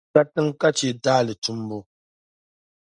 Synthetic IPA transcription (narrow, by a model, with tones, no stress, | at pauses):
a˦tɨ˦ŋ˦ka˦t͡ʃe˨daː˦lɨ˨tu˦mbo˦